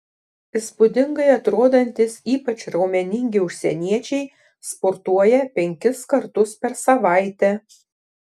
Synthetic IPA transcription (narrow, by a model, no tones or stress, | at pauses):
ɪspʊd̪ʲɪŋɡɐɪɐt̪ɾoːd̪ɐnʲt̪ʲɪsiːpɐt͡ʃʲɾɒʊmʲɛnʲɪŋʲɡʲɪʊʃʲsʲɛnʲiɛt͡ʃʲɛɪ | spɔɾt̪uɔjɛpʲɛŋʲkʲɪskɐɾt̪ʊspʲɛɾsɐʋɑˑɪt̪ʲɛ